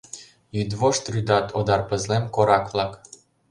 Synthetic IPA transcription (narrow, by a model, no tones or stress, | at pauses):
jyd̪voʃt̪ryd̪ɑt̪ʰod̪ɑrpə̆zlemkoɾɑkvlˠɑk